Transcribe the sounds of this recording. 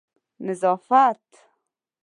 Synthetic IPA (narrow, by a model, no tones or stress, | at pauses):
nɪzɑːfat̪